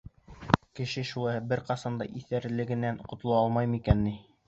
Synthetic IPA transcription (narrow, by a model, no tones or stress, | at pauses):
kɘ̆ʃɘʃulˠɑjbɘɾqɑsɑnd̪ɑ̰ʔiθæɾlɘ̆ɡɘ̆nænqŏt̪ŏlˠɑɑlˠmɑjmikænːi